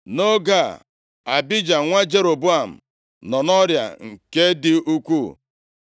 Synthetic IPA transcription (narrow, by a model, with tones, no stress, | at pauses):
no˦ɡa˦˨ | a˨bi˦d͡ʒa˨ŋʷa˦d͡ʒe˦ɾo˨bu˦a˨m̩˨ | nɔ˨nɔ˦ɾja̰˨ŋ̩˨ke˦dɪ˦u˦kʷu˦˨